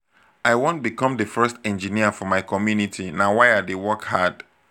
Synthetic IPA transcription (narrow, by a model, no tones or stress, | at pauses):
aɪwõnt̚bikɔ̃mdəfɜstɛ̃nd͡ʒĩniəfɔmaɪkʰɔmjunitʰinãwaɪadewɔkhad̥